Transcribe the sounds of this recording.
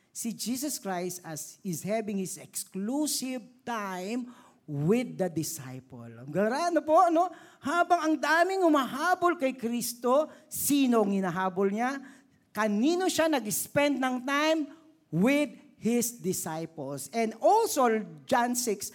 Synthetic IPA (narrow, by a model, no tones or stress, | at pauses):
sɪd͡ʒiːs̬ɐskɹajst̪ɐsɪzhɛbɪ̃ŋhɪsɛksklusɪvt̪ajm | wɪd̪ːɐd̪ɪsa̰jpo̰lmɡɐɾanopoʔɐnohaːbɐŋɐŋd̪aːmɪŋhʊmaɦaːbolkɐjkɾist̪osiːnoɐŋhɪnaɦaːbolɲa | kɐniːnoʃanɐɡɪspɛnd̪̚nɐŋt̪ajm | wɪd̪̚ | hɪsd̪ɪsajpolsɛ̃nd̪ʔolsod͡ʒansɪks